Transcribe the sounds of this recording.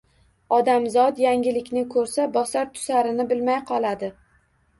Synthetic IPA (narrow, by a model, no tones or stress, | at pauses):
ɒd̪amzɒt̪jaŋɡʲɪlɪkʲnɪkʰɵɾsabɒsaɾt̪ʰʊ̥saɾɪnɪbɪlmajqʰɒlˠad̪ɪ